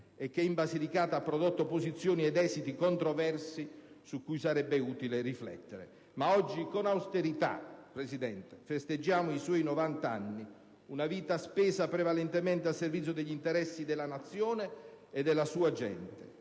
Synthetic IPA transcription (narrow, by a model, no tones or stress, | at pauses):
ɛk̟ːɛimbazilikaːt̪aapːɾɔd̪ot̪ːopozit̪sːjoːniɛd̪ɛːzit̪ikont̪ɾɔvɛrsi | sukːujsaɾɛbːeuːt̪ileriflɛ̰t̪ːeɾḛ | maɔd͡ʒːikonawst̪eɾit̪a̰pɾesid̪ɛnt̪e̥fest̪ed͡ʒːaːmʊiswɔːjnɔvant̪anːi | unaviːt̪aspɛːzapɾevalɛnt̪emɛnt̪̬ealservit̪sjod̪eʎːint̪eɾɛsːid̪elanat̪sːjoːneː | d̪ːelːasuːad͡ʒɛ̰nt̪e